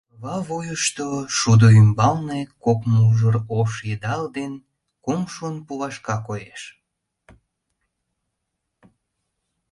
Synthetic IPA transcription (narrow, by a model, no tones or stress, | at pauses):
βɑβojəʃt̪oʃud̪oymbɑlnekokmuʒəɾoʃjed̪ɑld̪en | kumʃunpuβɑʃkɑkojeʃ